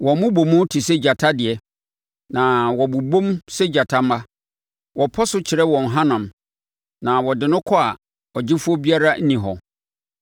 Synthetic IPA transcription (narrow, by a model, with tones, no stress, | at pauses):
wɔ˨mʊ̃˦bo˨mʊ̃˦tʰi˨sɛ˦d͡ʑa˨tʰa˦dɪ˨ɛ˦ | nã˨wɔ˨bu˨bõ˦msɛ˦d͡ʑa˨tʰa˦m̩˦a˦ | wʔɔ˨pʰɔ˦sʊ˦t͡ɕʰɪ˨ɾɛ˦wɔ̃˨n˨ɦã˦nã˨m | nã˨wɔ˨dɪ˨nʊ̃˦kʰɔ˦a˨ | ɔ˨d͡ʑɪ˦fu˦ɔ˦bi˦a˦ɾa˦n̩˦nĩ˨ɦɔ̰˨